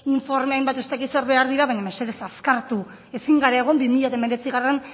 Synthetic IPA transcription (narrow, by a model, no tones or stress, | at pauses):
iɱfo̞ɾmeajmbat̪e̞st̪akise̞ɾβe̞aɾðiɾaβajɲamese̞ðe̞saskaɾt̪u | e̞siŋɡaɾaeɣ̞o̞mbimiʎat̪ame̞ɾe̞t͡siɣ̞aren